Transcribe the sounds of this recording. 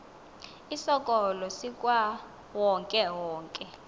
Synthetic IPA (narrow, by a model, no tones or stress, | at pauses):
isɔkʼɔlɔsikʼwa | wɔŋkʼɛwɔːŋkʼɛ